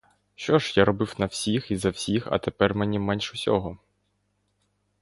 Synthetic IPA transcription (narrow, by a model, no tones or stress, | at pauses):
ʃt͡ʃɔʒjaɾɔbɪwnɐw̥sʲixizɐwsʲixɐ̰t̪epɛrmɛnʲimɛnʲʃʊsʲɔɦɔ